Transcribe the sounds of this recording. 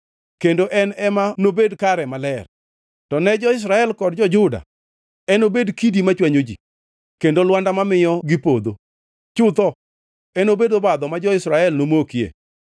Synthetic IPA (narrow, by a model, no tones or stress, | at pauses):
kendoʔɛnɛmanobedkaɾɛmalɛr | tɔnɛd͡ʒɔɪs̬ɾaɛlkɔdd͡ʒɔd͡ʒʊda̰ | ɛnobedkidimat͡ʃwaɲod͡ʒḭ | kendolwandamamɪjɔɡɪpod̪o | t͡ʃʊt̪ɔ | ɛnobedobad̪ɔmad͡ʒɔɪsɾaɛlnomokiḛ